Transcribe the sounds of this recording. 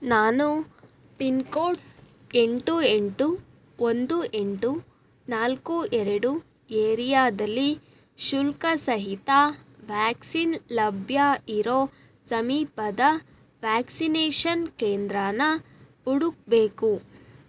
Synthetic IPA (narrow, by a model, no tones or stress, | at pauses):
naːnu | pinkoːʈ | e̞ɳʈue̞ɳʈu | ond̪uʔe̞ɳʈu | naːlkuɛɾɐɽu | eːɾijaːd̪ɐlːi | ʃulkɐsɐɦit̪aʋaːksinlɐbʱjaiɾoː | sɐmiːpɐd̪ɐ | ʋaːksineːʃɐnkeːnd̪ɾaːnɐ | uɽuk̚be̞ːku